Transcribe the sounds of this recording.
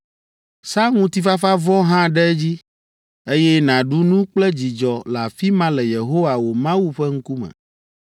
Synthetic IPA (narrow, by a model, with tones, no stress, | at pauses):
sa˦ŋũ˦t̪i˦fa˦fa˦vɔ˦ɦã˦ɖɛ˦d͡ʑi˦ | e˦jɛ˦nã˨ɖu˦nũ˦k͡plɛ˦d͡ʑi˨d͡ʒɔ˨la˨fi˦mã˦lɛ˨je˨ɦo˦wa˨wo˨mã˦wu˦ɸɛ˦ŋ̩˦ku˦mɛ̰̃˨